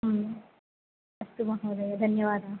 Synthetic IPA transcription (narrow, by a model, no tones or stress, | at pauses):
ɦm | ɐst̪umɐɦɐʋd̪ɐjɐd̪ʱɐnjɐʋaːd̪a